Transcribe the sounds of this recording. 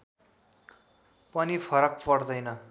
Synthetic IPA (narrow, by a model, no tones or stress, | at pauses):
pʌnipʰʌɾʌk̚pʌrd̪ʌjnʌ